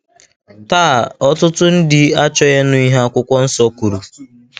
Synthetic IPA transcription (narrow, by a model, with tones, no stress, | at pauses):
taː˦˨ɔ˦tʊ˦tʊ˦n̩˦dɪ˨a˦t͡ʃɔ˦je˦nʊ˦i˦ɦa˦a˦kʷʊ˦kʷɔ˦n̩˦sɔ˦ku˨ɾu˨